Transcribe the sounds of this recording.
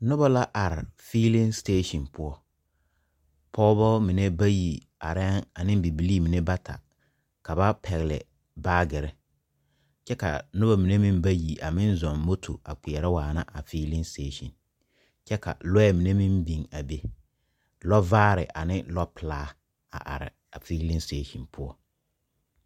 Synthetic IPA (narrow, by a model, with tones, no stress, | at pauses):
nʊ˦ba˦la˦ʔa˨ɾɪ˨fiː˦lĩ˦ŋsteː˦ʃĩ˨npʊ˦ɔ˦ | pʰɔː˦bɔ˦mi˨ne˦ba˦ji˨ | a̰˨ɾɛ˦ŋa˨nɪ̃˦m˦bi˨bi˨liː˦˨mi˨ne˦ba˦tʰa̰˨ | ka˨ba˦pʰɛ˨ɣlɪ̰˨ | baː˦ɡɪ˨ɾɪ˦ | t͡ʃɛ˦ka̰˨nʊ˦ba˦mi˨ne˦mĩ˦mba˦ji˨ʔa˨mɪ̃˦nzɔ̃˨nmo˦tʰo̰˨a˨ki˨ɛ˨ɾɪ˦waː˨na̰˦ʔa˨fiː˦lɪ˦nsteː˦ʃḭ̃˨n | t͡ʃɛ˦ka̰˨lɔ˦ɛ˦mi˨ne˦mĩ˦mbi˨ŋa˨be˦ | lɔ˦vaː˦ɾɪ̰˨ʔa˨nɪ˦lɔ˦pɪ˨laː˦ | a̰˨ʔa̰˨ɾɪ̰˨ | a˨fi˦lɪ̃˦nsteː˦ʃi˨npʰʊ˦ɔ˦